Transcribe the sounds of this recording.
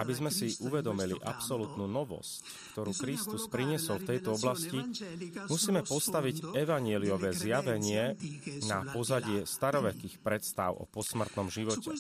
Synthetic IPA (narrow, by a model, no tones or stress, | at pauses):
abizmɛsiʔuʋɛd̪ɔmilḭʔa̰psɔlut̪nunɔʋɔ̰sc | kt̪ɔɾuːkɾist̪uspɾiɲɪɛsɔlft̪ɛjt̪ɔɔblascimusiːmɛpɔst̪aʋiɟɛʋaɲɪɛliɔʋɛːzjaʋɛɲɪɛnapɔzaɟɪɛst̪aɾɔʋɛkiːxpɾɛt̪st̪a̰ʊɔ̰pɔsmr̩t̪nɔmʒiʋɔcɛ